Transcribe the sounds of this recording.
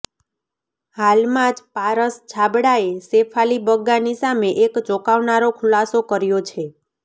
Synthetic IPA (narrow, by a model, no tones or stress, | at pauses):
halmãd͡ʒpaɾəst͡ʃʰabɽaesepʰalibəɡːanisameʔekt͡ʃɔkaʋnaɾokʰulasokəɾjot͡ʃʰe